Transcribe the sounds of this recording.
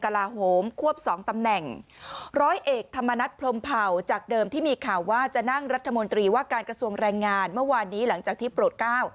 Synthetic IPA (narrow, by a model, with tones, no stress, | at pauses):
ka˧laː˧ɦoː˩˦mkʰu˥˩əp̚sɔː˩˦ŋt̪a˧mnɛ˨˩ŋɾɔː˦˥jʔeː˨˩k̚t̪ʰa˧mːa˧na˦˥t̪̚pʰlo˧mpʰa˨˩wt͡ɕaː˨˩k̚dɤː˧mt̪ʰiː˥˩miː˧kʰaː˨˩wːaː˥˩t͡ɕa˨˩na˥˩ŋɾa˦˥t̪ʰːa˧mo˧nt̪ɾiː˧waː˥˩kaː˧nkɾa˧su˧əŋɾɛː˧ŋːaː˧nmɯ˥˩ɐwaː˧nːiː˦˥la˩˦ŋt͡ɕaː˨˩k̚t̪ʰiː˥˩pɾoː˨˩t̪̚klaː˥˩w